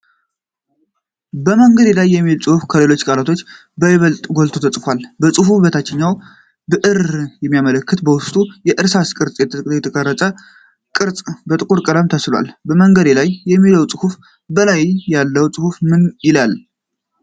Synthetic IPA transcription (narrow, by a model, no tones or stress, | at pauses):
bəməŋɡəd̪elajːɛmːilt͡sʼɨhufkʰəle̞lo̞t͡ʃːkʼalat̪ʰo̞t͡ʃː | bəβəlt̪ʼɡo̞lt̪ʰot̪ʰət͡sʼɨfʷalbəsʼɨhuβət̪ʰat͡ʃːɛɲːaw | bɨʔɨɾjɛmːijamələkːɨt̪bəwʊst̪ʼujɛʔɨɾsaskʼɨɾt͡sʼjɛt̪ʰət̪k̪ʼjɛt̪ʰəkʼəɾːət͡sʼə | kʼɨɾt͡sʼbət̪ʼɨkʼuɾkʼɨɾəmt̪ʰəslwa̰lbəməŋɡəd̪elajːɛmːiləwt͡sʼɨhuf | bəlajjalːəwt͡sʼɨhufmɨnjɪlal